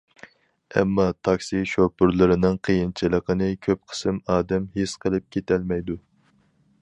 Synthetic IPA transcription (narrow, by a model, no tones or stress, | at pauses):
ɛ̰mːɑt̪ʰɑkʲsiʃopʊɾlˠɨɾɨnɨŋqʰəjint͡ʃʰilˠəqʰənɨkʲʰøp̚qʰə̥sɨmɑːd̪ɛmɦesqʰəlˠɨp̚kʲʰet̪ʰɛlmɛjd̪u